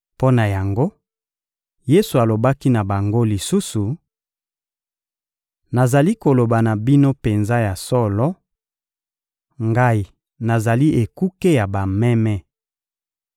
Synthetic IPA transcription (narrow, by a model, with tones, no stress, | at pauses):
po˦na˨ja˨ŋɡo˦ | je˦su˨a˨lo˨ba˦ki˦na˨ba˨ŋɡo˦li˨su˦su˨ | na˨za˨li˦ko˨lo˨ba˨na˨bi˦no˦pe˨nza˦ja˨sɔ˦lɔ˦ | ŋɡa˦i˨ | na˨za˨li˦ʔe˨ku˦ke˦ja˨ba˨mɛ˦mɛ˦